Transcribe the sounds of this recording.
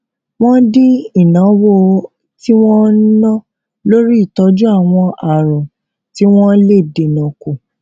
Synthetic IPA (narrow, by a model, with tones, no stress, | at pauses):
w̃ɔ̃˦di˦i˦˨nã˨˦wo˦ | ti˦w̃ɔ̃˦nã˦ | lo˦ɾi˦i˦˨tɔ˨˦d͡ʒu˦a˦˨w̃ɔ̃˧ʔa˨ɾɔ̃˨ | ti˦w̃ɔ̃˦le˦˨de˨nã˨ko˨